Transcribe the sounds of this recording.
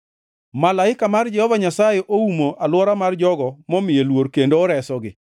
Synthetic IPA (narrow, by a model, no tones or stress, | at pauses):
malaɪkamard͡ʒɛhɔvaɲasajɛʔoumoʔalwɔɾamard͡ʒɔɡɔmɔmɪjelwoɾkendoːɾɛsɔɡɪ